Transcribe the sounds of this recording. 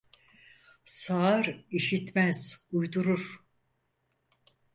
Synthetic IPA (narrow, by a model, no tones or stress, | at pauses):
saːɾiʃit̪mæz̥ujd̪uɾuɾ̥